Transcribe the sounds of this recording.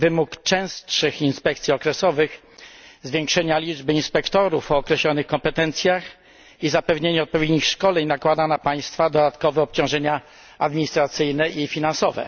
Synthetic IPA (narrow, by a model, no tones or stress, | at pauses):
vɘmukt͡ʂɛ̃w̃stʂɘxinspɛkt̪sʲiɔkɾɛsɔvɘx | zvʲjɛŋkʂɛɲalʲid͡ʐbɘinspɛkt̪ɔɾufɔːkɾɛɕlɔnɘxkɔmpɛt̪ɛnt̪sʲjax | izapɛvɲeɲɛɔt̪̚pɔvʲjed̪ɲixʂkɔlɛɲnakwad̪anapaj̃st̪fad̪ɔd̪at̪kɔvɛɔp̚t͡ɕɔ̃w̃ʐɛɲa | ad̪mʲiɲist̪ɾat̪sɘjnɛifʲinansɔvɛ̰